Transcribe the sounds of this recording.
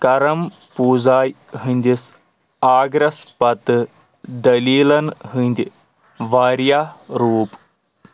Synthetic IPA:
kɐɾɐm | puːzaːj | ɦɨnʲd̪ʲis | aːɡɾɐspɐt̪ɨ | d̪ɐliːlɐnɦɨnʲd̪ʲi | ʋaːɾjaːɾuːp

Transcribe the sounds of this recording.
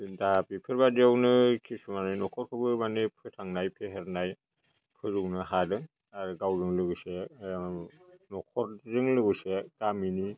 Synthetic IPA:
dapipʰɯɾbadawnɯkʰisumanɯjnɔkʰɔɾkʰɯbɯɾmanɯpʰɯtʰaŋnajpʰeɦeɾnaj | pʰɯzɯnɯɦadɯŋ | aɾɯɡawzɯŋlɯɡɯse | nɔkʰɔɾzɯŋlɯɡɯseɡamini

